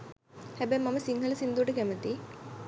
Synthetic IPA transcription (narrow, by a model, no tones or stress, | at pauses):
hæbɛjmaməsiŋɦələsind̪uəʈəkæmət̪i